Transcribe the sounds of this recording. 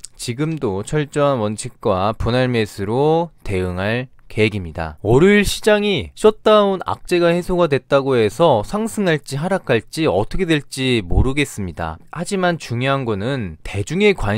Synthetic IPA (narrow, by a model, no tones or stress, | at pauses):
t͡ɕiɡɯmdot͡ɕʰʌɭt͡ɕ͈ʌɦanwʌnt͡ɕʰik̚k͈waponaɭme̞sʰɯɾote̞ɯŋɦaɭ | ke̞ɦeɡimɲida̰oɾɯɭɕʰid͡ʑaŋiɕ͈ʰʌt̚t͈aona̰k̚t͡ɕ͈e̞ɡahe̞sʰoɡadwe̞t̚t͈aɡoe̞sʰʌsʰaŋsʰɯŋɦaɭt͡ɕ͈iɦaɾak͈ʰaɭt͡ɕ͈iʌtʰʌkʰe̞dwe̞ɭt͡ɕ͈imoɾɯɡe̞s͈ɯmɲida̰had͡ʑimant͡ɕuŋjoɦanɡʌnɯnte̞d͡ʑuŋe̞kwa